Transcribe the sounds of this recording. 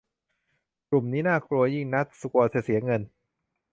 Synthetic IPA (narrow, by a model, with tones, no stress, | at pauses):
klu˨˩mniː˦˥naː˥˩kʰɾu˧ɐji˥˩ŋna˦˥t̪̚su˨˩ku˧ɐsi˨˩t̪̚si˩˦ɐŋɤ˧n